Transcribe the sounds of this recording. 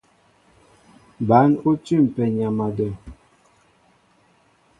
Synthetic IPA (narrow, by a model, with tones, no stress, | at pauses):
ba˨˦nu˦tʉ˦˨m˨pɛ˨ɲa˨ma˨də˨